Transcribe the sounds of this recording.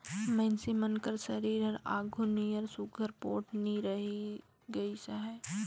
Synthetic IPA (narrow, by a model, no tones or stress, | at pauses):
mɛ̃ɪnsemənkəɾsɐɾiːɾɐɾaːɡʱʊnijəɾsʊɡʱəɾpoːʈniɾɐɦi | ɡɐisaɦɛː